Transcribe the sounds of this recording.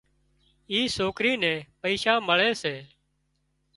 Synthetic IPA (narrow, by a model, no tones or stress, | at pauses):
iːsoːkɾiːnɛ̃ːpəiːʃãːməɭeːseː